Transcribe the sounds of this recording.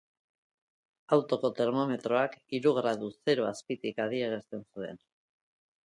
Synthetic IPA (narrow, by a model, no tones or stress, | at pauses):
awt̪o̞ko̞t̪e̞ɾmo̞me̞t̪ɾo̞akiɾuɣ̞ɾað̞uθe̞ɾo̞aspit̪ikaðieɣ̞est̪e̞nsue̞̰n